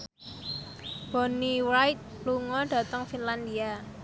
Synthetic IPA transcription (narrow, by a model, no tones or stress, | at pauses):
b̥ɔ̤niwajt̪̚luŋɔɖ̥a̤t̪əŋfinland̪ia